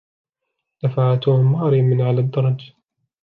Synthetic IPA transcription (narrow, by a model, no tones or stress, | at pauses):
d̪̥afaʕat̪uːmmɑːɾimɪnʕalad̪ːɑɾˤɑd͡ʒ